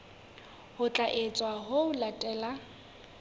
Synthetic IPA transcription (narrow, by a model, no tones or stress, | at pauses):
hʊt͡ɬʼaʔet͡sʼwaɦoʊlatʼɛːla